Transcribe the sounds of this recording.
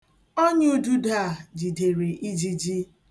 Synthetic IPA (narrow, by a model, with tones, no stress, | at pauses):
o˦ɲɪ˦u˦du˦da˦˨d͡ʒi˨de˨ɾi˨ʔi˦d͡ʒi˦d͡ʒi˦